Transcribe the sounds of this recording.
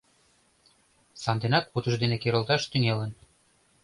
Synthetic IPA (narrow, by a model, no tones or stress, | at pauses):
sɑnd̪enɑk̚put̪ɤ̆ʃd̪enĕkeɾə̆lˠt̪ɑʃt̪yŋelə̆n